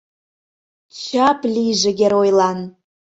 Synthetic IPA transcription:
t͡ɕɑpliʒeɡʲeɾojlˠɑn

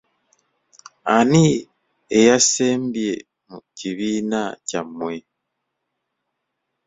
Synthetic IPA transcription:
ani | ejaseːmbje | muciβinacamwe

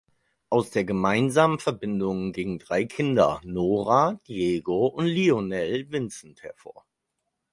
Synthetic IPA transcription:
ʔaʊsd̥eːɐɡəmaɪnzaːmənfɛɐbɪndʊŋɡiːɡŋ̩dʁaɪkʰɪndɐ̰noːʁad̥ieːɡoʔʊntlionɛlvɪnt͡sn̩thɛɐfo̰ːɐ

